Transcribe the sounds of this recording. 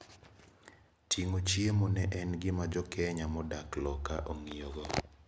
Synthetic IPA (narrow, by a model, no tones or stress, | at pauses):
tʰiŋot͡ʃiemɔnɛʔɛnɡɪmad͡ʒɔkɛɲamɔdaklɔka̰ʔoŋioɡɔ